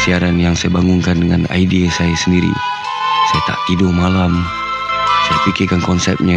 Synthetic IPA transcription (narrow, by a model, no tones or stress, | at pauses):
siaɾanjaŋsajabaŋʊŋkandəŋana̰idiasajasəndiɾḭ | sajat̪a̰ʔt̪idomalam | sajapikɪkankɔnsɛ̰p̚ɲa